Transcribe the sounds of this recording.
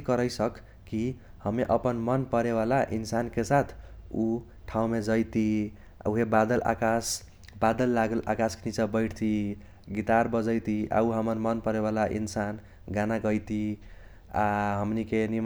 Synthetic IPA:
kʌɾəjsʌkː | ihʌmeʔʌpənmʌnpəɾeβalaʔinsankesat̪ʰu | ʈʰãũmed͡ʒʌjt̪ḭ | uɦebad̪əlʔa̰kas | bad̪əlːaɡəlʔa̰kaskenit͡ʃabʌɪʈʰt̪ʰi | ɡit̪aɾbʌd͡ʒəjt̪iʔa̰uɦʌmʌnmʌnpʌɾeβalaʔḭnsan | ɡanaɡʌjt̪i | a̰ɦʌmnikenim

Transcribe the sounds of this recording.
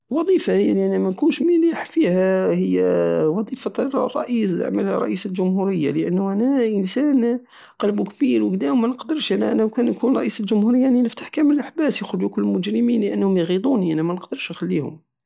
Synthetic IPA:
wɑd̪ˤifahəjliʔænæmænkunʃmiliħfihæhəjːæwɑd̪ˤifɑt̪rˤːɑ̰ʔisʕməlrˤɑ̰ʔisəlʒʊmhuɾəjːa̰ləʔənːʊʔænæʔənsæn | qɑlbukbiɾwəɡd̪æhʊmːænəqd̪əɾˤʃʔænæʔænæwkænjkunɾˤɑʔisəlʒʊmhuɾəjːaninəft̪ḁħkæməlʔaħbæsjəxɾʊd͡ʒukʊlːmʊd͡ʒɾəminləʔənːhʊmjɣid̪ˤuniʔænæmænəqd̪əɾˤʃxælːihʊ̰m

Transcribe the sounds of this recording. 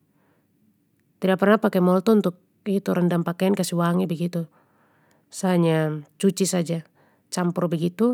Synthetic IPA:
t̪idak̚pərnahpakɛmɔlt̪ɔunt̪uk̚ | it̪uɾəndampakɛankasiwaŋibəɡit̪u | saɲat͡ʃut͡ʃisad͡ʒa | t͡ʃampɔrbəɡit̪u

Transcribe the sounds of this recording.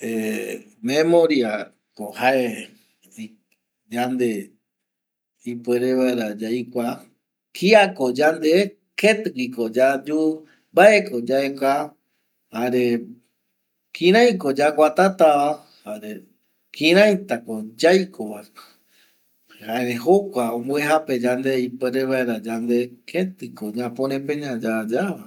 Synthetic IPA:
e | mẽmoɾia | kohae | d͡ʒand̪e | ipueɾeβaeɾad͡ʒaikʷa | kʰiakod͡ʒand̪e | ket̪kikod͡ʒad͡ʒu | mbaekod͡ʒaeka | haɾe | kʰĩɾ̃ãj̃kod͡ʒakʷat̪at̪aβa | haɾe | kʰĩɾ̃ãjt̪akod͡ʒajkʰoβaeke̥ | haeɾeɦokʷaõmboeɦape̞d͡ʒand̪eipeɾeβaeɾad͡ʒand̪ekʰet̪ɨkoɲãpõɾ̃ẽpẽɲãd͡ʒad͡ʒaβa

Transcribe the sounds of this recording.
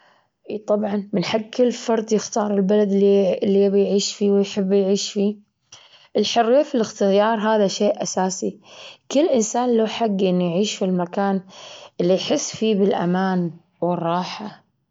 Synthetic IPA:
ʔt̪ˤɑbʕɑnmɪnħaɡkʰɪlːfɑɾˤd̪ˤjɪxt̪ɑːɾˤɪlbalad̪ilːibjʕiːʃfiːwɪjħɪbːjʕiːʃfiː | ʔɪlħʊrːiːfilɪxt̪ɪjɑːɾˤɦaːðaʃeːʔʔasaːsikɪlːʔɪnsaːnlaħaɡːʔɪnːujʕiːʃfilmakaːnʔɪlːijħɪsːfiːbɪlʔa̰maːn | wɪrˤːɑːħa

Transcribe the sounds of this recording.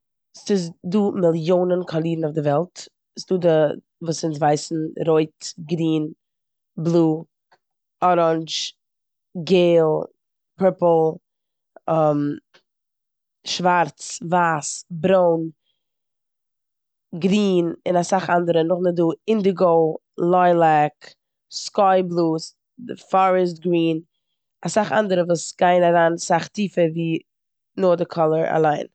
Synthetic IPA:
sɪs̬duːmɪlˠjoːnənkʰɔlˠiːdn̩aʊfdɪvɛlˠt | sduːdɪ | vuːsɪns̬vaɪsn̩ɾoɪtɡɾiːn | blˠuː | ɔɾɔnt͡ʃ | ɡeɪlˠ | pʰɪpl̩ˠ | m | ʃvaɾt͡svaːsbɾoʊn | ɡɾiːnɪnasaχandəɾənʊχnɪt̚duːɪndiɡoʊ | lˠɔɪlˠɛk | skɔɪblˠuːs | dɪfɔɾəs̬tɡɾiːn | asaχa̰ndəɾəvuːsɡ̥aɪnaɾaːnsaχtiːfəɾviː | noːdəkʰɔlˠəɾa̰lˠaɪn

